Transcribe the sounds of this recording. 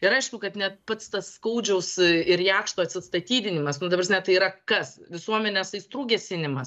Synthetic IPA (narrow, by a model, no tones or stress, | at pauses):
ɪɾɐɪʃkʊkɐt̪nʲɛt̪̚pɐt̪st̪ɐsːkɐʊd͡ʒʲɛʊsɪɾjæːkʃt̪oːɐt̪ʲsʲɪst̪ɐt̪ʲiːd̪ʲɪnʲɪmɐsnʊd̪ɐprɐsʲnʲɛt̪ɐɪiːɾɐkɐsʋʲɪsuɔmʲɛnʲɛsɐɪst̪ɾuːɡʲɛsʲɪnʲɪmɐs